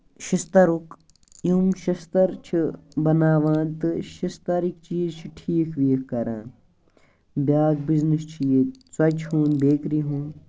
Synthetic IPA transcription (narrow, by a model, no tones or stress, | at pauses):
ʃist̪ɐɾuk | jumʃist̪ɐɾt͡ʃʰibɐnaːʋãːnt̪ɨʃist̪ɐɾik̚t͡ʃiːzt͡ʃʰiʈʰiːkʰʋiːkkɐɾã̰ː | bʲjaːɡ̚biznist͡ʃʰijeswɐt͡ʃhũːnbeːkɾiɦũːn